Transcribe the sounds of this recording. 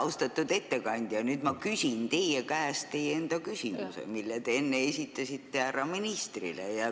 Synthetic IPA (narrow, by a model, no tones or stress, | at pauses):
wst̪ɑt̪ːˑud̪̥e̞t̪ːe̞kɑnʲd̪̥jɑnyːd̪̥mɑkysʲint̪e̞jekæest̪t̪ːe̞jeend̪̥ɑkysʲimṵsḛmilːet̪e̞enːeesʲit̪ːˑɑsit̪ːeærːɑminist̪rḭlḛjɑ